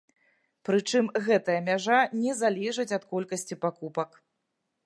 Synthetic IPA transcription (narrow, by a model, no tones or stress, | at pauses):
pɾɨt͡ʂɨmɣɛt̪ɐjɐmʲaʐanʲɛzalʲɛʐɨt͡sʲɐt̪kɔlʲkɐsʲt͡sʲipakupɐk